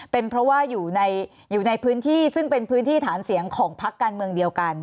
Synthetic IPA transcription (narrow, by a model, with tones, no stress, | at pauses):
pe˧npʰɾɔ˦˥waː˥˩juː˨˩na˧j | juː˨˩na˧jpʰɯː˦˥nt̪ʰiː˥˩sɯ˥˩ŋpe˧npʰɯː˦˥nt̪ʰiː˥˩t̪ʰaː˩˦nsi˩˦əŋkʰɔː˩˦ŋpʰa˦˥kːaː˧nmɯ˧əŋdi˧əwka˧n